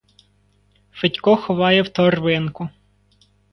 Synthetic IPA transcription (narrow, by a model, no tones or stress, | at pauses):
fɪtʲkɔxɔʋɑjɛwt̪ɔrʋɪnkʊ